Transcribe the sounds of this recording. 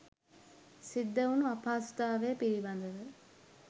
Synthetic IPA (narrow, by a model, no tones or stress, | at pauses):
sid̪ːəunuapʰaːst̪aːʋejːpiɾiband̪əʋə